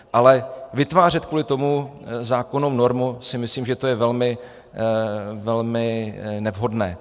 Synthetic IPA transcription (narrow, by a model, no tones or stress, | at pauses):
ʔalɛvɪt̪vaːr̝ɛt̪kuːlɪt̪o̞muzaːko̞nowno̞ɾmusɪmɪsliːmʒɛt̪ojɛvɛlmɪ | vɛlmɪnɛvɦo̞dnɛ̰ː